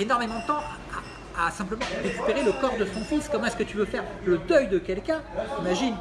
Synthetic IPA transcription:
enɔʁmemɑ̃d̪ət̪ɑ̃ | a | asɛ̃pləmɑ̃ʁekʲy̥peʁeləkɔʁd̪əsɔ̃fiskɔmɑ̃ɛskət̪yvøfɛʁ | ləd̪œjd̪əkʲɛlkʲɛ̃imaʒin

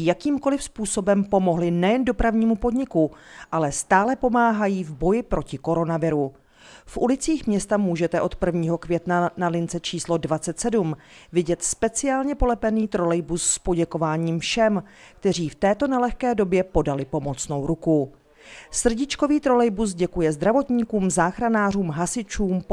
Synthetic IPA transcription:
jakiːmko̞lɪfspuːso̞bɛmpo̞mo̞ɦlɪnɛjɛndo̞pɾavɲiːmupo̞dɲɪkuʔalɛst̪aːlɛpo̞maːɦajiːvbo̞jɪpɾo̞cɪko̞ɾo̞navɪɾu | fʔulɪt͡siːxmɲɛst̪amuːʒɛt̪ɛʔo̞t̪pr̩vɲiːɦo̞kvjɛt̪nanalɪnt͡sɛt͡ʃiːslo̞dvat͡sɛt̪sɛdum | vɪɟɛt̪spɛt͡sɪaːlɲɛpo̞lɛpɛniːt̪ɾo̞lɛjbusːpo̞ɟɛko̞vaːɲiːmfʃɛm | kt̪ɛr̝iːft̪ɛːt̪o̞nɛlɛxkɛːdo̞bjɛpo̞dalɪpo̞mo̞t͡sno̞wɾuku | sr̩ɟɪt͡ʃkoviːt̪ɾo̞lɛjbus̬ɟɛkujɛzd̪ɾavo̞t̪ɲiːkuːmzaːxɾanaːr̝uːmɦasɪt͡ʃuːmp

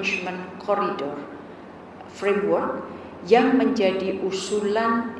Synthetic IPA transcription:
ɪt͡ʃmənkʰɔɾidɔr | fɾemwɔrk̚ | jaŋməɲd͡ʒadiʔusulan

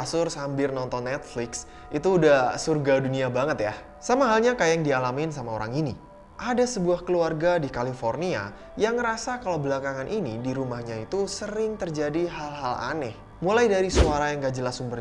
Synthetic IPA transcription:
asʊrsambɪrnɔnt̪ɔnːɛt̪̚flɪks | it̪uːdahsurɡaduniabaŋət̪ja | samaɦalɲakajaŋdialamɪnsamaoɾa̰ŋini | ʔadasəbuahkəluarɡadikalifornia̰ | jaŋɾasakalawbəlakaŋanʔinidiɾumahɲait̪usəɾɪŋt̪ərd͡ʒadiɦalɦala̰nɛh | mulajdaɾisuaɾajaŋɡad͡ʒəlasumbər

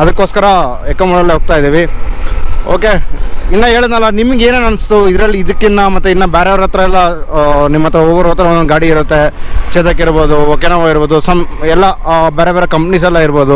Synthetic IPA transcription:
ɐd̪ɐkːoːskɐɾɐ | ekːɐmɐɽɐlːeɦoːɡ̚t̪aːjd̪iːʋi | o̰ːkeinːɐɦeːɭid̪nɐlːɐnimiɡe̞ːneːnɐnst̪uid̪ɾɐlːiːd̪ɐkːinːɐmɐt̪ːuinːɐbeːɾebɐɾot̪ɾɐɛlːɐnimːɐt̪ːɐɾɐoːʋɐɾoːt̪ɾɐonɡaːɽiːɾut̪ːe̞t͡ʃeːd̪ɐkːiɾbo̞ːd̪uoːkenɐʋaːɡiɾboːd̪usɐmɛlːɐbeːɾebeːɾekɐmpnis̬ɛlːɐiɾboːd̪u

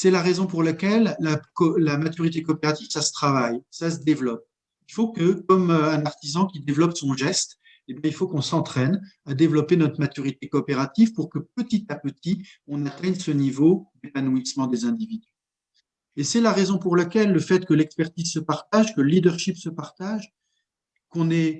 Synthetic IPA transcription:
sɛlaʁezɔ̃puʁlakʲɛlːaklamat̪yʁit̪ekɔːpeʁat̪iv̥sasə̥t̪χavajsas̬əd̪evlɔp̚ | ilfokəkɔmɛ̃naʁt̪izɑ̃kʲid̪evlɔpsɔ̃ʒɛst̪ | ebjɛ̃ilfokɔ̃sɑ̃t̪χɛnad̪evlɔpenɔt̪χmat̪yʁit̪ekɔːpeʁat̪ivpuʁkəpət̪it̪apət̪iɔ̃nat̪ɛɲsənivod̪epanuismɑ̃d̪ezɛ̃d̪ivid̪y | esɛlaʁezɔ̃puʁlakʲɛlːəfɛt̪kəlɛkspɛʁt̪izsəpaʁt̪aʒkələlid̪əʁʃipsəpaʁt̪aʒ | kɔ̃nɛ

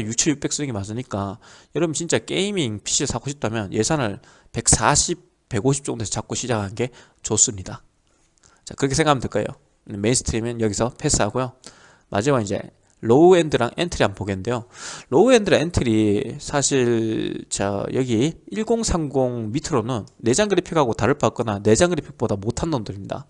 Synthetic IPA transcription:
jut͡ɕʰujup͈e̞ks͈ɯiɡimas̬͈ɯɲik͈ajʌɾʌbɯt͡ɕint͡ɕ͈ak͈e̞imiŋpʰi̥ɕʰiɯɭsʰakʰoɕʰip̚t͈amjʌnjʔe̞sʰanɯɭ | pe̞k̚s͈aɕʰip̚ | p͈ːe̞ɡoɕʰip̚t͡ɕ͈oŋdesʰʌt͡ɕak̚k͈oɕʰid͡ʑakʰannɡe̞ | t͡ɕos͈ɯmɲida | t͡ɕa̰kɯɾʌkʰe̞sʰeŋɡamɯntɯɭk͈ajo̰ | meinsʰɯ̥tʰɯɾimjʌnjʌɡisʰʌpʰe̞s͈ɯɦaɡojo | mʔa̰d͡ʑimaind͡ʑe̞̰ | ɭouendɯɾa̰ŋʔentʰɯɾianpoɡennde̞joloue̞ndɯɾentʰɯɾisʰaɕʰiɭt͡ɕa̰jʌɡiiɭɡoŋsʰaŋɡoŋmitʰɯɾonɯnːe̞d͡ʑaŋɡɯɾipʰikhaɡotaɾɯɭp͈ak͈ʌnane̞d͡ʑaŋɡɯɾipʰik̚p͈odamotʰandondɯɾimɲida̰

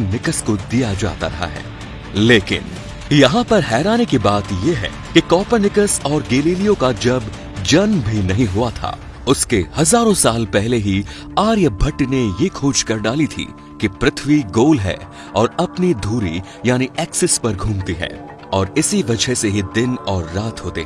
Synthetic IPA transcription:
nɪkəskod̪ijad͡ʒa̰ːt̪a̰ɾɐɦa̰ɦɛ̰ː | leːkɪ̰n | jɐɦãpɐɾɦɛːɾaːnekibaːt̪jeɦɛ̰ː | kikɔːpəɾnɪkəsɔːɾɡeːliːlijõkad͡ʒɐb | d͡ʒɐnbʱinɐɦĩɦʊat̪ʰa̰ː | ʊskehɐzaːɾõsaːlpɛɦleɦi | aːɾjəbʱɐʈnejekʰoːd͡ʒkɐɾɖaːlit̪ʰḭː | kipɾɪt̪ʰʋiɡoːlɦɛ̰ː | ɔːɾɐpnid̪ʱuːɾi | jaːniɛːksɪspɐɾɡʱũːmt̪iɦɛ̰ː | ɔːɾɪsiʋɐd͡ʒəɦseɦid̪ɪnɔːɾːaːt̪ɦoːt̪eɦɛ̃

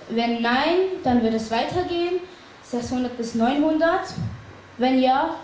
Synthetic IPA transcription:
vɛnːaɪnd̥anvɪɐtɛsv̥aɪtʰɐɡeːən | z̥ɛkshʊndɐt̚b̥ɪsnɔʏnɦʊndɐt | vɛnjaː

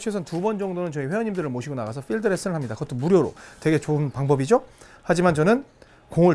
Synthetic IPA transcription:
t͡ɕʰesʰʌntubʌnd͡ʑʌŋdonɯnt͡ɕʌiɸwe̞jʌɲimdɯɾɯɭmoɕʰiɡonaɡasʰʌɸʰiɭdɯɾes͈ʰɯnɯɭɦamɲidakʌtʰomuɾjoɾo̰twe̞ɡe̞t͡ɕoɯnpaŋbʌbid͡ʑo | had͡ʑimant͡ɕʌnɯn | koŋɯ

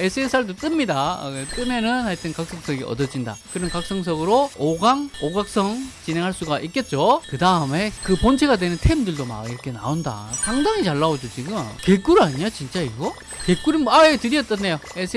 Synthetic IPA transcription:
esʰɯesʰaɭdot͈ɯmɲida̰t͈ɯmʌnɯnhaɭt͈ɯnkak̚s͈ʌŋs͈ʌɡiʌ̰dʌd͡ʑinda̰kɯɾʌnkak̚s͈ʌŋs̬ʰʌɡɯɾooɡaŋoɡak̚s͈ʌŋt͡ɕinɦe̞ŋɦaɭs͈uɡaʔik͈e̞t̚t͡ɕ͈okɯdaɯme̞kɯpont͡ɕʰeɡadwenɯntʰe̞imdɯɭdoma̰ɡiɾʌkʰe̞na̰onda̰sʰaŋdaŋit͡ɕaɭːaod͡ʑot͡ɕiɡɯmke̞k͈uɾɯaɲiat͡ɕint͡ɕ͈aiɡo | ke̞k͈uɾinaetɯɾiʌt͈ʌnːe̞jo | esʰ

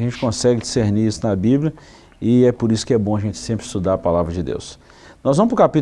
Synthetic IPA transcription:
ʒẽnt͡ʃɪ̥kõsɛɡɪd͡ʒiseɾniisʊnɐbiblʲjɐ | ɪɛpoɾisʊ̥kɪɛbõɐʒẽnt͡ʃɪ̥sẽmpɾɪst̪ud̪aɾɐpalavɾɐd͡ʒɪd̪ḛws | nɔzvɐ̃mʊp̬ɾʊkapit̪

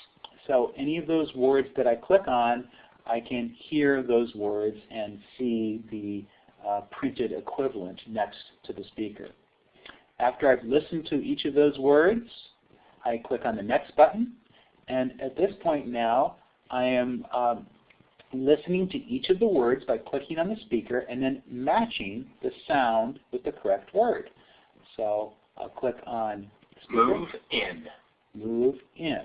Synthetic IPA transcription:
soʊʔɛñiʌvðoʊzwɜ˞dzðɨɾaɪkʰl̥ɪkn̩ | ʔaɪkʰɨ̃nhiɹðoʊzwɜ˞dzɨ̃nsiðɨ | pʰɹ̥ɪ̃ntɨɾɨ̰kʰw̥ɪvl̩ˠə̰̃nnɛkstʰɨðɨspikʰə̰˞ | æftə˞aɪvlɪsn̩tʰɨʔit͡ʃʌvðoʊzwɜ˞dz̥ | aɪkʰl̥ɪkn̩ðɨnɛksb̥ʌʔn̩ | ɨ̃nɨt̪̚ðɪspʰɔ̃ɪ̃nːaʊ | ʔaɪɨ̃m | lɪsnɪ̃ŋtʰɨʔit͡ʃʌvðəwɜ˞dzbaɪkʰl̥ɪkɪ̃ŋə̃nðɨspikə˞ʔɨ̃nðɨ̃nmæt͡ʃɪ̃ŋðɨsãʊ̃ndwɨðɨkʰə˞ɛk̚t̚wɜ˞d̥ | soʊ | ʔa̰ɪlˠkʰl̥ɪkʰn̩ | smuvɪ̃n | muvɪ̃n

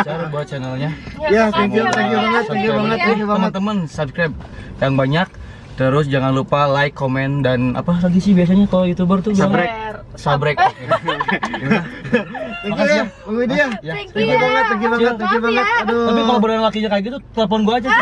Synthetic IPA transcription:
t͡ʃaaɾbuat̪̚t͡ʃɛnəlɲajaiŋt̪akibaŋət̪̚ːiŋkibaŋət̪̚kibaəmənt̪əmənsabskɾap̚ | jaŋbaɲak̚ | t̪əɾʊsd͡ʒaŋanlupalaikːomɛndana̰panant̪̬isɪhbias̬aɲakalojut̪ubərt̪uaaŋɾɛk̚ | sabɾɛk̚ | imakaaəŋidiajaəkibaŋət̪̚ːəkibaət̪akibaŋət̪̚ad̪apikalobəɾanlakiɲakaɡit̪ut̪əlap̬ɔnɡuaːd͡ʒa

